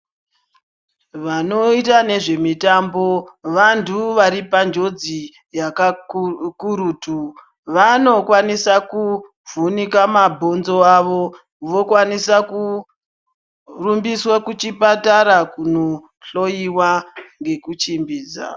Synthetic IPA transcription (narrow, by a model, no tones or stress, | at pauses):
ʋano̞itane̞ʐe̞mitambo̞ʋantʰuʋaɾipand͡ʒo̞d͡zi | jakakuɾuːtu | ʋano̞kwanisaku | vunikamabʱo̞nzo̞aʋo̞ | ʋo̞kwanisaku | rumbiswakut͡ʃipataɾakuno | ɬo̞jiwaŋɡe̞kut͡ʃimbiːd͡za̰